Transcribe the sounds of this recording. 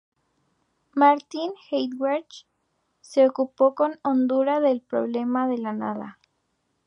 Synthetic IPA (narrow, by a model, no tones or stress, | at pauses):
maɾt̪inxejd̪waɾt͡ʃ | se̞okupo̞ko̞nond̪uɾaðe̞lpɾo̰βle̞maðe̞lana̰ða̰